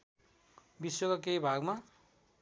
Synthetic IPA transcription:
bisokak̬ejbʱaɡma

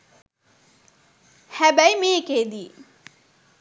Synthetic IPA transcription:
hæbæjmeked̪i

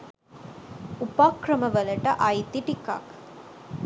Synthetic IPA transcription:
upakrɐməʋəlɐʈəʔɐjt̪iʈika̰k

